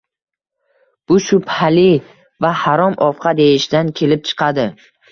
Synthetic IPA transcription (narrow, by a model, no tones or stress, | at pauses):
b̥ʊʃʊpʰalɪ | vahaɾɒmɒfqʰɑd̪e̞jɪʃd̪ankʲʰe̞lɪp̚t͡ʃʰɨ̥qʰɑd̪ɪ